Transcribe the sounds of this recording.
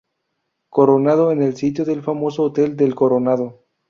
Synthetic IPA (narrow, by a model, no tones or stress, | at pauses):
ko̞ɾonað̞oenelsit̪̬joðe̞lfamo̞soːt̪e̞ld̪e̞lkoɾonaðo